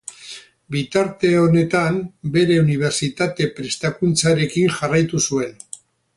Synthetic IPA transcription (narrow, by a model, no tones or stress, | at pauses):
bit̪aɾt̪e̞o̞ne̞t̪ambe̞ɾe̞uniβ̞e̞ɾsit̪at̪e̞pɾe̞st̪akunt͡saɾe̞kiŋʝarajt̪usue̞n